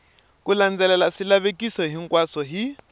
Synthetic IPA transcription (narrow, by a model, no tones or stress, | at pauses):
kuland͡zɛlɛlasilaβekʼisɔɦiŋ̩kʼwasɔɦi